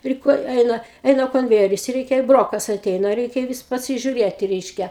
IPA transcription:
ˈpʲrʲɪ ˈkoː ˈɛɪnɐ ˈɛɪnɐ koːnʲˈʋʲæːjɛrʲɪs ˈrʲɛɪkʲɛ ˈbroːkɐs ɐˈtʲɛɪnɐ ˈrʲɛɪkʲɛ ˈʋʲɪs pɐsʲɪʒʲʊˈrʲeːtʲɪ ˈrʲɛɪʃʲkʲɛ

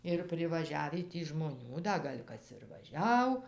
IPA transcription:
ɪr pʲrʲɪʋɐˈʒʲæːʋʲiː ˈtʲiː ʒmoːˈnʲuː ˈdɐ ˈɡɐlʲ ˈkɐs ɪr ʋɐˈʒʲɛʊ

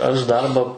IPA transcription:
ɐʃ ˈdɐrbɐ

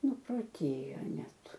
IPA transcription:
nʊproːˈtʲeːjoː ˈnʲɛt

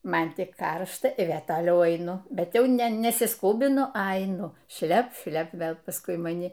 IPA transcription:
ˈmɐn tʲɪk ˈkɐrʃtɐ ɪ ˈʋʲeː toːˈlʲɛʊ ɐɪˈnʊ bʲɛt ˈjɛʊ nʲɛ nʲɛsʲɪsˈkuːbʲɪnʊ ɐ ɐɪˈnʊ ˈʃʲlʲɛp ˈʃʲlʲɛp ˈʋʲeːlˠ pɐsˈkʊɪ mɐˈnʲɪ

